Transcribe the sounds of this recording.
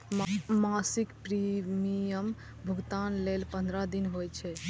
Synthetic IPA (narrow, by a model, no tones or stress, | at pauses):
masikpɾimijəm | bʱəɡt̪anlelpə̃nd̪ɾad̪inɦojt͡ʃʰɛ